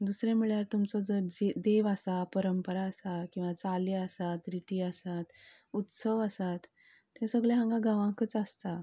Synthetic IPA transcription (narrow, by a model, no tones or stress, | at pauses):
d̪usɾẽmiɭjaɾt̪umt͡sɔd͡zəd͡zed̪eʋasapəɾəmpəɾaːsakĩw̃ʋat͡saliəsat̪ɾit̪iəsat̪ | ut̪səʋəsat̪ː | ẽsəɡɭeɦãŋɡaɡãʋãkət͡sast̪a